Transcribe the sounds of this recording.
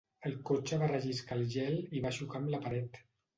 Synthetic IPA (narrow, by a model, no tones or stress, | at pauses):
əlˠkot͡ʃəβarəʒiskalˠʒɛliβaʃukamləpaɾɛt̪